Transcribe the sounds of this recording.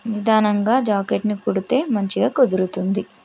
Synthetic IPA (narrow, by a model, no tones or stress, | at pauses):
nid̪ʱaːnɐŋɡaːd͡ʒaːkeʈnikuɽut̪e̞ːmɐɲt͡ʃiɡaːkod̪iɾut̪und̪i